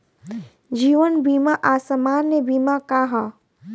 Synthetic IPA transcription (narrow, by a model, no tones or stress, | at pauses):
d͡ʒiːʋənbiːmaʔaːsəmaːnːebiːmakaɦa